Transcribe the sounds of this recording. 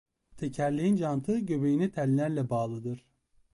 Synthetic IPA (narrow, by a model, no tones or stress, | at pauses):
t̪ʰecʰæɾlʲiind͡ʒant̪ʰɯɟøbejinɛt̪ʰɛlʲilʲæɾlʲɛbaːlˠɯd̪ɯɾ̥